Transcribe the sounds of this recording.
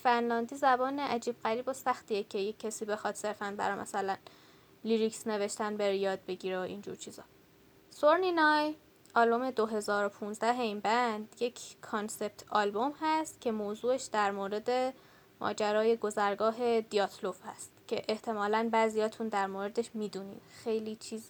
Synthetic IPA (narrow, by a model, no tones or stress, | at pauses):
fænlɒːnd̪iːzæbɒːneʔæd͡ʒiːb̥ɣæɾiːbo̞sæxt̪ijecʰe̞jecʰːesiːbe̞xɒd̪̥se̞ɾfænbæ̰ɾɒːmæ̰sælæn | liɾiksne̞ve̞ʃt̪ænbeɾejɒːd̪̚be̞ɟiːɾeoʔḭːnd͡ʒṵɾt͡ʃʰiːz̥ɒ̰ː | soɾninɒj | ɒlbome̞d̪o̞ɦe̞zɒːɾo̞pʰunzd̪æɦeinbænd̪̥je̞cʰkʰːonse̞b̚t̪ʰɒːlbo̞mhæst̪cʲʰe̞moːzuːeʃd̪æɾmoːɾe̞d̪e̞ | mɒ̰ːd͡ʒæɾɒːje̞ɡo̞zæɾɡɒːɦe̞d̪iɒːt̪ʰlofhæ̰st̪cʰe̞ʔeht̪ʰe̞mɒːlænbæːzijɒːt̪ʰund̪æɾmoːɾe̞d̪e̞ʃmiːd̪unḭːmxe̞jlit͡ʃʰiːz